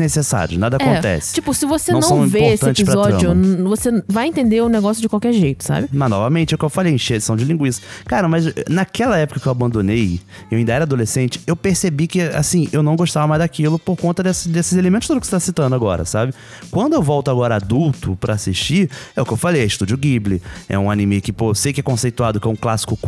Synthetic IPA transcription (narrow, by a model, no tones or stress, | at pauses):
nesesa̰ɾjʊ̰nad̪ɐakõt̪ɛ̰sɪ̥t͡ʃipʊsɪvosẽɐ̃w̃vepoestɐɪẽt͡ʃɪɪizpɾɐzɔd͡ʒ̃ʊ̃vosevajẽnt̪ẽnd̪eɾʊneɡɔsjʊd͡ʒɪkwawkɛɾʒejt̪ʊ̥sa̰bɪmɐnɔvɐmẽt͡ʃɪɛeʊkewfalejẽʃeed͡ʒisɐ̃w̃d͡ʒɪlĩɡwiʃsɪkɐkaɾɐmɐzɛnɐkɛlɐɛpʊ̥kɐkɪewabɐ̃nd̪õnejɪewaĩnd̪ɐɛɾɐad̪olesẽnt͡ʃɪ̥ewpeɾsebikɪa̰sĩewnɐ̃w̃ɡoʃt̪avɐmajzd̪akilʊpoɾkõnt̪ɐd̪ɛsd̪esɪzelemẽnt̪ʊ̥st̪od̪ʊkɪset̪asit̪ɐ̃nd̪ʊaɡɔɾɐ̰sabɪ | kwɐ̃nd̪ʊewvɔwt̪ʊaɡɔɾɐad̪uwt̪ʊpɾɐːsiʃt͡ʃiɛʊkewfalejɛɪʃt̪ud͡ʒʊɡiblɪɛ̰ũanĩmejʊkɪposejkɪɛkõsejt̪uad̪ʊkɛũklasɪ̥kʊ